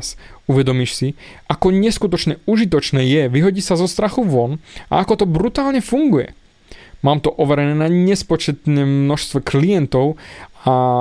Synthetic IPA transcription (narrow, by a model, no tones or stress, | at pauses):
suʋɛd̪ɔmiʃsiʔakɔɲɛskut̪ɔt͡ʃɲɛuʒit̪̬ɔt͡ʃnɛːjɛʋiɦɔɟiːsazɔst̪ɾaxuʋɔna̰akɔt̪ɔbɾut̪aːlɲɛfuŋɡujɛ̰ | maːmt̪ɔʔɔʋɛɾɛnɛːnaɲɛspɔt͡ʃɛt̪nɛːmnɔʃst̪ʋɛklijɛnt̪ɔʊa